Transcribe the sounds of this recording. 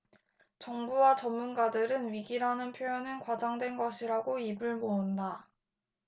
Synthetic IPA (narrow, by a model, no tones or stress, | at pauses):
t͡ɕʌŋbuwat͡ɕʌnmunɡadɯɾɯnɥiɡiɾanɯnpʰjojʌnɯnkwad͡ʑaŋdwe̞nɡʌɕʰiɾaɡoibɯɭmounda